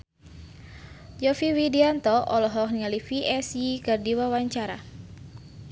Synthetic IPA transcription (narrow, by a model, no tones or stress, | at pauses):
jɔfiwidiant̪ɔʔɔlɔɦɔkniŋalifiʔɛsikardiwawaɲt͡ʃaɾa̰